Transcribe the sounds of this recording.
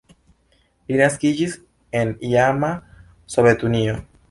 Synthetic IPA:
binaskiʝis | eniama | soβet̪unio

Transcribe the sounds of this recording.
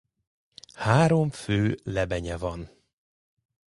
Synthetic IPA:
haːɾo̞mføːlɛbɛɲɛvɒn

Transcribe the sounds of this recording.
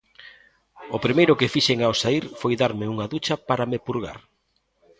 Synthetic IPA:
ʊpɾimejɾʊkɪfiʃeŋaosaiɾfojðaɾmɪuŋaðut͡ʃɐpaɾamepuɾɣa̰ɾ

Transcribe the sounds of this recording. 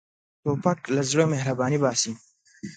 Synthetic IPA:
t̪oːpɐklazɽəmehɾɐbɑːnibɑːsi

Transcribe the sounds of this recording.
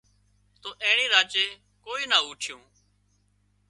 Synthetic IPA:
t̪oːʔẽːɳeːɾaːt͡ʃeː | koːiːnaːuːʈʰɪjõː

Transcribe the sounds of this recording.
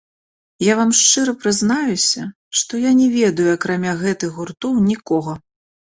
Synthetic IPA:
javamʂt͡ʂɨɾɐpɾɨznajusʲɐ | ʂt̪ɔjanʲɛvʲɛd̪ɐjuɐkɾamʲaɣɛt̪ɨɣɣurt̪ɔwnʲikɔɣɐ

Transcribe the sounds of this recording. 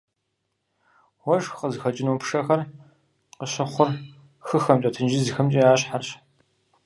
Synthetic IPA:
wɔʃqəzɨxɐt͡ʃʼɪnuːpʰʂɐxɐr | qəɕɪχʷʊr | xɨxɐmt͡ʃʼɐtʰɨnd͡ʒizɨxɐmt͡ʃʼiaːɕħarɕ

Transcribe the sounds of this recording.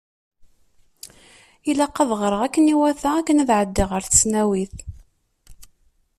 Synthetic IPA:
ilɑqːɑðˤʁəɾˤəʁækːəniwæθæækːənæðʕəd̪ːɪʁəɾθə̥snæwiθ

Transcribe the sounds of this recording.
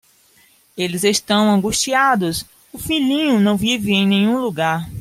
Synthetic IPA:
elɪzest̪ɐ̃w̃ɐ̃ŋɡuʃt͡ʃiad̪ʊs | ʊfilĩɲʊnɐ̃w̃vivɪẽj̃nẽj̃ɲũluɡaɾ

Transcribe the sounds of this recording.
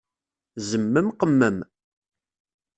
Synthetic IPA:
zəmːəmqəmːəm

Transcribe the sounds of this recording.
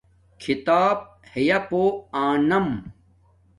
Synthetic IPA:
kʰit̪aːb̚ | hejɐpoːaːnɐm

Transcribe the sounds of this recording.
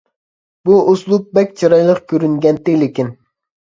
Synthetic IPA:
buʔoslˠup̚bɛkʲt͡ʃʰɑɾɑjlˠəqkʲʰøɾyŋɡʲɛnt̪ɪlɪkʲin

